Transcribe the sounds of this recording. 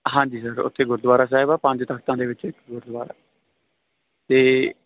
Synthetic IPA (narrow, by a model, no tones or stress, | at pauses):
ɦãːɲd͡ʒiːsəɾʊ̰t̪ʰːeːɡʊɾd̪ʋaːɾaːs̬aːɪbaːpãɲd͡ʒt̪əkʰt̪ãːd̪eːʋɪt͡ʃɪkːɡʊɾd̪ʋaːɾa̰ː | t̪eː